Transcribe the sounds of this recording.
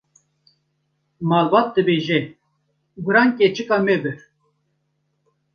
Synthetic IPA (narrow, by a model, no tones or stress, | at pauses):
mɑlbɑt̪̚d̪ɨbeʒɛ | ɡuɾɑnkʲɛt͡ʃɨkɑmɛbɨɾ